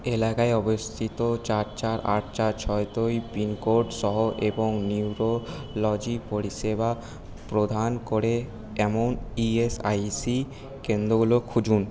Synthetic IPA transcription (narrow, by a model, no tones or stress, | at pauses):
elakaeɔbost̪ʰit̪ot͡ɕaɾt͡ɕaɾa̰ʈ̚t͡ɕaɾt͡ɕʰɔet̪ojpinkoɾɖʃɔɦoʔeboŋniwɾolɔd͡ʑipoɾiʃeba | pɾod̪ʱankoɾe | ɛmoniesa̰jsi | kend̪ɾoɡulokʰud͡ʑun